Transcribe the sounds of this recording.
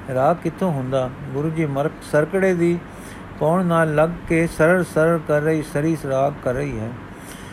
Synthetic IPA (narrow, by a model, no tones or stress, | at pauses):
ɾaːɡkɪt̪ʰːoɦʊ̃nd̪aːɡʊɾuːd͡ʒiːməɾksɐɾkəɽed̪iː | kɔːɳnaːlːɐɡkesɐɾəɾsɐɾəɾkɐɾːəiːsəɾiːsɾaːɡkɐɾːəiːɦɛː